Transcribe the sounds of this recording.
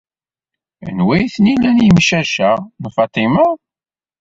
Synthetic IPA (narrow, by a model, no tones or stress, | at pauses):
ə̰nwæjθnilænjimʃæʃænfɑt̪ˤːiməʁ